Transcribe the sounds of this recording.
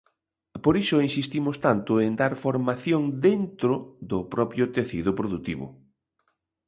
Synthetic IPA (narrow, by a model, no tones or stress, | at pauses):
poɾisʊinsist̪imʊst̪ant̪ʊend̪aɾfoɾmaθjoŋd̪ent̪ɾʊðʊpɾɔpjʊt̪eθiðʊpɾoðut̪ḭβʊ̰